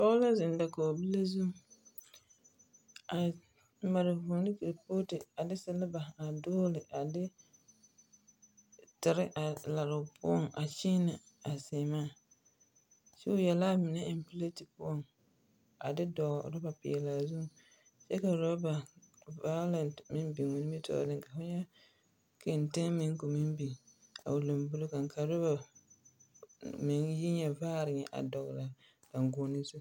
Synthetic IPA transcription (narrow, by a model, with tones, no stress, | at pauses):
pɔ˦la˦zɪ˨n˦da˨kɔ˨bi˦la˦zu˦˨ | a˨ | ma˨ɾɪ˨vuː˨nɪ˦ki˨ɾpoː˦tɪ˨a˨dɪ˦sɪ˦lɪ˦ba˨a˨doː˦lɪ˨ʔa˨dɪ˦ | tɪ˨ɾɪ˦ʔa˨la˨ɾʊ˨pʊ̰˦ɔ˦˨ŋa˨t͡ʃɪː˦nɪ˨ | a˨sɪ˨maː˦˨ | t͡ʃi˦ʊ˦jɛ˨la˦mɪ˨nɛ˦ɪ˨m˨pɪ˦le˦tɪ˨pʊ˦ɔ˦˨ŋ | a̰˨dɪ˦dɔ˨˦ɾʊ˦ba˨pɪ̰˨ɛ˨la˨zu˦˨ | t͡ʃɛ˦ka˨ɾo˦ba˨va˦jlɛ˨ntmɪ˦mbi˨ŋʊ˨˦nɪ˦mi˦tʰɔ̰˦˨dɪ˦ŋka˨fʊ˦ɲɛ˦ | ke˨n˨tɪ˦ŋmɪ˦ŋ˦ko˨mɪ˦mbi˨a̰˨ʊ˨lo˨mbʊ˦lo˦ka˨ŋ˨kʰa˨ɾʊ˦ba˨ | mɪ˨ŋji˦ɲɛ˨vaː˦ɾɪ˨ŋɛ˨ʔa̰˨dɔ˨ɣla˨ | ka˨ŋɡʊ˨˦nɪ˦zu˦